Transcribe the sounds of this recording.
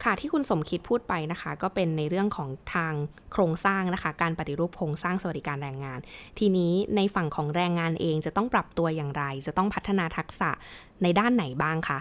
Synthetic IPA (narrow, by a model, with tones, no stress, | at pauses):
kʰa˥˩t̪ʰiː˥˩kʰu˧nso˩˦mkʰi˦˥t̪̚pʰuː˥˩t̪̚pa˧jna˦˥kʰa˦˥kɔː˥˩pe˧nːa˧jɾɯ˥˩əŋkʰɔː˩˦ŋt̪ʰaː˧ŋ | kʰɾoː˧ŋsaː˥˩ŋna˦˥kʰa˦˥kaː˧npa˨˩t̪i˦˥ɾuː˥˩p̚kʰɾoː˧ŋsaː˥˩ŋsa˧wa˩di˨˦kaː˧nɾɛː˧ŋːaː˧nt̪ʰiː˧niː˦˥na˧jfa˨˩ŋkʰɔː˩˦ŋɾɛː˧ŋːaː˧nʔeː˧ŋt͡ɕa˨˩t̪ɔ˥˩ŋpɾa˨˩p̚t̪u˧ɐjaː˨˩ŋɾa˧jt͡ɕa˨˩t̪ɔ˥˩ŋpʰa˦˥t̪ʰːa˧naː˧t̪ʰa˦˥k̚sa̰˨˩ʔ | na˧jdaː˥˩nːa˩˦jbaː˥˩ŋkʰa˦˥˩